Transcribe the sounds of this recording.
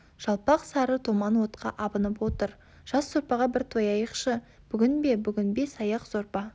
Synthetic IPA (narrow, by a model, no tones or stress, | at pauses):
ʒ̥ɑlˠpɑqsɑɾət̪ʰomɑnwo̞t̪qʰɑ̰ʔɑbənəpwo̞t̪əɾ | ʒ̥ɑszoɾpɑʁɑbɪɾt̪ʰojɑjəqʃə | b̥ʏɡʲɪnbe̞bʏɡʲɪnbe̞sɑjɑqz̥o̞ɾpɑ